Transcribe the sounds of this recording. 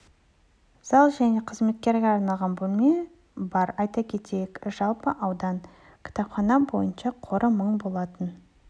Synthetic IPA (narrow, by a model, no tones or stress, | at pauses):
z̥ɑlˠʒæne̞qʰəzme̞t̪̚kʲe̞ɾɡʲeɑɾnɑlˠʁɑnbolˠme | bɑɾɑjt̪ɑkʲʰe̞t̪ejekʒ̥ɑlˠpəʔɑwd̪ɑn | kʲʰɪ̥t̪ɑpχɑnɑbo̞̰jənʃɑqʰo̞ɾʔəməɴbo̞lˠɑt̪ən